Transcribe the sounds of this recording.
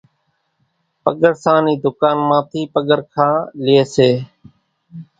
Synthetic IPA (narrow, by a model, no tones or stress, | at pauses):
pəɠəɾsãːniːd̪ʊkaːnmãːt̪ʰiːpəɠəɾkʰãːlɪeːseː